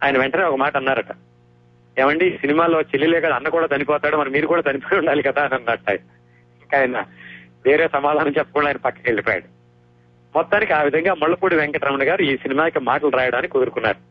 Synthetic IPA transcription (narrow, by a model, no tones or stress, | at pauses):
aːjɐnɐʋɛɳʈɐne̞ːɔkɐmaːʈɐɐnːaːɾɐʈa | eːʋɐɳɖiiːsinimaːlo̞ːt͡ʃelːilɛːkad̪ɐnːɐkuːɽaːd͡ʒ̪ɐnipɔːt̪aːɽumɐɾɐmiːɾukuːɽaːd͡ʒ̪ɐnipoːuɳɖaːlikɐd̪aːnɐnːaʈːaj | iŋkaːjɐnɐʋe̞ːɾe̞ːsɐmaːd̪ʱaːnɐmt͡ʃɛpːɐ̥kuɳɖaːjinɐpɐkːɐ̥keɭːipɔːja̰ɽu | mɔt̪ːaːnikiaːʋid̪ʱɐŋɡaːmɐɭːɐpuːɽiʋɛŋkɐʈɾɐmɐɳɐɡaːɾuiːsinimaːkimaːʈɐluɾaːjɐɽaːnikikud̪uɾukunːa̰ːɾu